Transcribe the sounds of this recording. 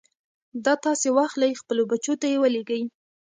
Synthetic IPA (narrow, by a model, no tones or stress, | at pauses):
d̪ɑt̪ɑsewaxt̪laɾixpəlobat͡ʃot̪ajewəleɡəj